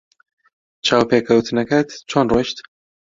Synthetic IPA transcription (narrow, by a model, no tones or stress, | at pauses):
t͡ʃʰaːwpeːkʰɐwt̪ʰɨnɛkɐt̪t͡ʃʰoːnroʃt̪